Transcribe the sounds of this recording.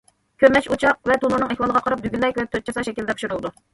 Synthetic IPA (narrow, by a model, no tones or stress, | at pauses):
kʲʰøɾmɛt͡ʃut͡ʃʰɑq̚vɛt̪ʰunuɾnɨŋɛxwɑlˠəʁɑqʰɑɾɑp̚d̪yɡʲynmɛkʲwɛt̪ʰøt̪̚t͡ʃʰɑsɑʃɛkʲild̪ɛpu̥ʃuɾulˠɨd̪u